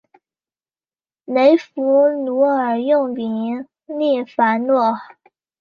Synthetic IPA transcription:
ne˧˥ɪfu˧˥nu˧˥ə˞˨˩jʊ˥˩ŋpi˧˥ŋ | li˥˩fa˧˥˦nwɔ˥˩

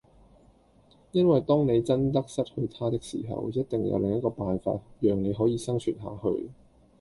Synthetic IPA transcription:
jɐ˥nwɐ˨jt̪ɔː˥ŋne˨˧jt͡sɐ˥nt̪ɐ˥k̚sɐ˥t̚hɵ˧ɥt̪ʰaː˥t̪ɪ˥k̚sḭː˨˩ɦɐ̰˨wjɐ˥t̚t̪ɪ˨ŋjɐ̰˧wlɪ˨ŋjɐ˥t̚kɔː˧paː˨nfa̰ː˧t̚jœː˨ŋne˨˧jɦɔː˨˥jiː˧sɐ˥ŋt͡ʃʰyː˨˩nɦa̰ː˨˧hɵ̰˧ɥ

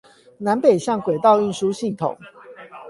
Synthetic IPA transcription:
na˧˦npe˨˩ɪɕjɑ˥˨ŋkwe˨˩t̪ɑ˥˧ʊi˥˨nʂu˦˥ɕi˥˨ŋt̪ʰo̰˨˩˦ŋ

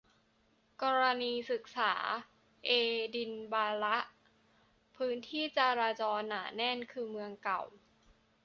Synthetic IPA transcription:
kɔː˧ɾa˧niː˧sɯ˨˩k̚sa̰ː˩˦ | ʔeː˧di˧nbaː˧ɾa˦˥ʔ | pʰɯː˦˥nt̪ʰiː˥˩t͡ɕaː˧ɾaː˧t͡ɕɔː˧nːa̰ː˩˦nɛ˥˩nkʰɯː˧mɯ˧əŋka˨˩w

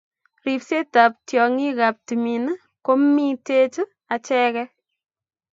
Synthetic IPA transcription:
ɾi˨pse˦ta˨p̚tjɔ˨ŋi˦ka˨p̚ti˨mi˨n˦ | ko˦mi˦te˦t͡ʃɨ˦ | a˨t͡ʃɛ˦kɛ˦

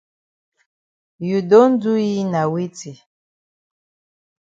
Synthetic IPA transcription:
ju˨do˦n̩˦du˦ji˦na˨wi˦t͡si˨

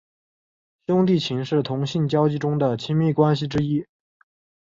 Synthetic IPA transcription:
ɕjʊ˥ŋt̪̬i˥˩t͡ɕʰi˧˥ŋʂɻ̩˥˩t̪ʰʊ˧˥ŋɕi˥˩nt͡ɕjɑ˥ʊt͡ɕi˥˧ʈ͡ʂʊ˥ŋd̪ə˨t͡ɕʰi˧˥nmi˥˩kwa˥nɕ̬i˨ʈ͡ʂɻ̩˥i˥

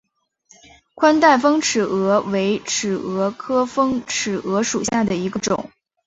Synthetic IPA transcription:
kʰwa˥nt̪a˥˩ɪfɤ˥ŋʈ͡ʂ̩ʰ˨˩ɤ˧˥we˧˥ɪʈ͡ʂ̩ʰ˨˩ɤ˧˥kʰɤ˥fɤ˥ŋʈ͡ʂ̩ʰ˨˩ɤ˧˥ʂu˨˩ɕja˥˩d̪ə˩i˧˥ɡə˧ʈ͡ʂʊ̰˨˩˦ŋ

